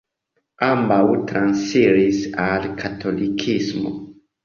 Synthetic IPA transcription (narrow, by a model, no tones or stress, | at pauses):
ambawtɾansfiɾisalkʰatʰo̞likʰismo̰